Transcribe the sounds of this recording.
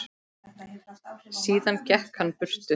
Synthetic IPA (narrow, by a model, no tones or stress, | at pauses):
siːðancɛhkhanːpʏr̥t̪ʏ